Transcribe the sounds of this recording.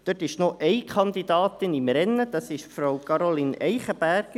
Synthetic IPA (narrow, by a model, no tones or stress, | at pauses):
d̥øtːɪʃnoʔɛjkʰɑnd̪id̪ɑːt̪ɪnimɾɛnːəd̥̪ɑsɪʃfɾowkɑɾolinʔɛɪχəb̥æɾɡ̥